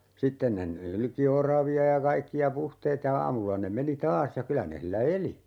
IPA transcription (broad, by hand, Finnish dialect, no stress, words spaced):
sitːen ne nylki orɑʋiɑ jɑ kɑikːiɑ puhteːt jɑ ɑːmulːɑ ne meni tɑːs jɑ kylæ ne hilːæ eli